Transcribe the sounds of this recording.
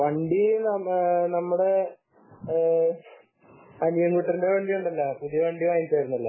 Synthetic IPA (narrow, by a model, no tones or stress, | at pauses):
ʋɐɳɖinɐmnɐmːuɽe̞ | ɐnijɐnkuʈːɐrindeʋɐɳɖijuɳɖɐlːɐpuðijɐʋɐɳɖiʋaːjint͡ɕeːɾunːɐlːɐ